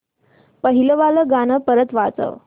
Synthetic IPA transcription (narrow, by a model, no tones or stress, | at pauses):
pəɦiləʋaləɡanəpəɾət̪ʋat͡sə̰ʋ